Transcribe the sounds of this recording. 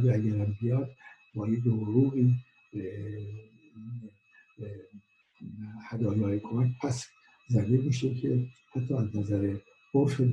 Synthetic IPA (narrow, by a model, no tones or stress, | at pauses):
ɡeæɡæɾæmbijɒːd̪ | bɒːjed̪ohɾuːɣiː | be | hæd̪ɒːjɒːɾekʰomæcpʰæs | zæɾd̪emiʃekʰe | hæt̪ʰːɒːæznæzæɾe | boɾʃed̪